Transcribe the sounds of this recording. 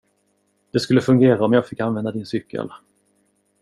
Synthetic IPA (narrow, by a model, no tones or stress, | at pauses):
d̪̥ɛskɵlːəfɵŋɡeːɾaɔmjɑːɡfɪkːanvɛnd̪ad̪ɪnsʏkːə̰l